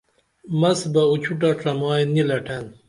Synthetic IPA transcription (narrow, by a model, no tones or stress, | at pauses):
mɐsbɐut͡ɕʰuʈ̬aʈ͡ʂʰɐmɑːjnilɐʈʰen